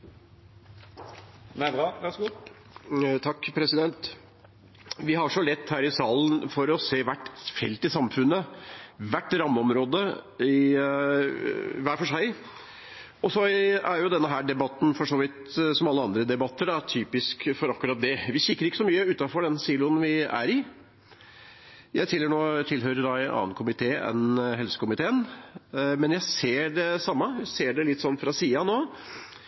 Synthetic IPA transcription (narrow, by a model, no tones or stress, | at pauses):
mɛʋæsɡu | t̪ʰɑkːpʰɾɛsɪd̪ɛnt̪ | ʋɪɦɑʂɔlɛt̪ːhæːɾɪsɑːln̩fɔɾɔseːʋæʈːfɛ̰lt̪ɪsɑmfʉnːəʋæʈːɾɑmːəɔmɾoːd̪əɪ | ʋæːfɔʂæɪ | ɔsɔæɾjʊd̪ɛnːəɦæːɖɛbɑt̪ːn̩fɔʂoːʋɪt̪sɔmɑlːəɑnd̪ɾəd̪ɛbɑt̪ʰːəɖɑt̪ʰyːpɪskfɔɾɑkːʉɾɑːt̪̚d̪ɛʋɪɕɪkːəɾɪkːəsɔmyːəʉːt̪ɑfɔɖɛnsiːlʊənʋɪæ̰ɾɪ | jæ̰ɪt̪ʰɪlːəøɳoːt̪ʰɪlɦøːɾəɾɑɪɑ̰ːnkʰʊmɪt̪ʰeːɛ̰nɦɛlsə̥kʊmɪt̪ʰeːən | mɛnjæɪseːɖɛsɑmːəjæseːɖɛlɪt̪ːsɔnːfɾɑsiːɑnoː